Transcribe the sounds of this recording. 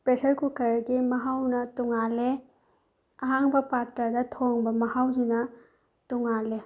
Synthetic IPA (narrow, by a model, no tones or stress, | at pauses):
pɾesɐɾkukʰɐɾɡimɐɦawnɐtuŋale | ɐɦaŋbɐpaɾtɐdɐtʰoŋbɐmɐhawzinɐ | tuŋale